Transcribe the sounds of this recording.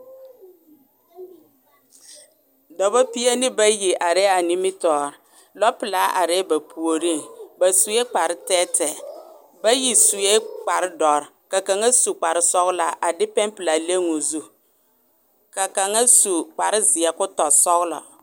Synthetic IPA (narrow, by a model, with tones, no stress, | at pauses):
dɔ˨ba˦pi˦a˦nɪ˦ba˦ji˨ʔa˨ɾɛ˦a˨ni˦mɪ˦tɔː˨ɾ | lɔ˦pɪ˨la˨˦ʔa̰˨ɾɛ˦ba˨pʰu˨o˨ɾi˦ŋba˨su˨e˦k͡pa˨ɾɪ˦tɛː˦tɛ˨ | ba˦ji˨su˨e˦k͡pa˨ɾɪ˦dɔ˨ɾka˨ka˨ŋa˦su˨k͡pa˨ɾɪ˦sɔ˦ɣʊ˦la˨ʔa˨dɪ˦pɛ˦mpɪ˨la˨le˦ŋʊ˨zu˦ | ka˨ka˨ŋa˦su˨k͡pa˨ɾɪ˦zɪ˨a˨kʊ˦tɔ˨sɔ˦ɣʊ˦lɔ̰˨